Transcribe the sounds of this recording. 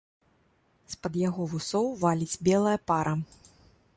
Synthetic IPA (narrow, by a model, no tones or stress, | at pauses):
spɐd̪jaɣɔvusɔwvalʲid͡zʲbʲɛlˠɐjɐpaɾʔɐ